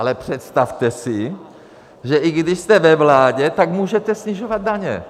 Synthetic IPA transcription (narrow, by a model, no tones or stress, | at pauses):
alɛpr̝̥ɛt̪st̪aft̪ɛsɪ | ʒɛʔɪɡdɪʃst̪ɛvɛvlaːɟɛt̪akmuːʒɛt̪ɛsɲɪʒovad̪̚daɲɛ̰